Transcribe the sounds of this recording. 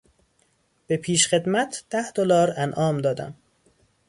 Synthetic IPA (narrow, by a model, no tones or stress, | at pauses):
b̥e̞pʰiːʃxe̞d̪mæt̪ʰd̪̥æhd̪olɒːɾænʔɒːmd̪ɒːd̪æ̰m